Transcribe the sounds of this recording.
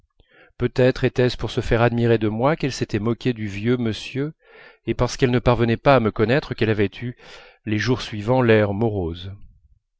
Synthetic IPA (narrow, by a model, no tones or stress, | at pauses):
pøt̪ɛt̪χet̪ɛspuʁsəfɛʁad̪miʁed̪əmwakɛlset̪ɛmɔkʲed̪yvjøməsjø | epaʁsə̥kɛlnəpaʁvənɛpaːməkɔnɛt̪χəkɛlavɛt̪ʰy | leʒuʁsɥivɑ̃lɛʁmɔʁoz